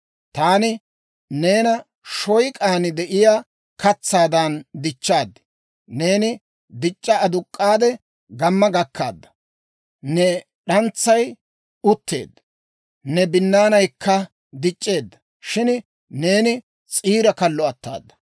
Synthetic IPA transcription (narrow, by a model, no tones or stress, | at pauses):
t̪aːnɪ | ne̞ːnɐ | ʃɔjkʼaːnɪd̪ɛʔɪjaː | kɐt͡sːaːd̪ɐnd̪ɪt͡ʃːaːd̪ːɪ̥ | ne̞ːnɪ | d̪ɪt͡ʃʼːɐːd̪ʊkʼːaːd̪ɛ | ɡɐmːɐɡɐkːa̰ːd̪ːɐ̥ | nɛ | ɗɐnt͡sːɐj | ʊt̪ːe̞̰ːd̪ːɐ̥ | nɛbɪnːaːnɐjkʰːɐ | d̪ɪt͡ʃʼːe̞ːd̪ːɐ̥ | ʃɪn | ne̞ːnɪ | t͡sʼiːɾɐkɐlːɔɐt̪ːa̰ːd̪ːɐ̥